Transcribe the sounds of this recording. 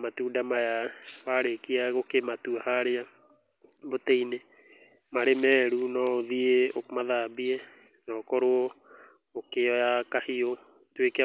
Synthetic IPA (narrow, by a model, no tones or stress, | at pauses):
matuːdamajawaɾekiaɣokematuahaɾea | botɛine | maɾemɛɾunɔoðieomaðabiɛ | nɔkɔɾoɔ | okeɔjakahio | twekea